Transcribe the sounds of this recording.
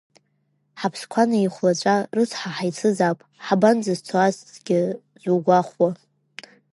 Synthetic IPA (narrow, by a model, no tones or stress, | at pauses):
ħapʰskʷʰanaiχʷlat͡ʃʷʼarɨt͡sʰħaħajt͡sʰɨzapʼħaband͡zɨzt͡sʰoazzɡʲɪ | zʷuɡʷaχʷwa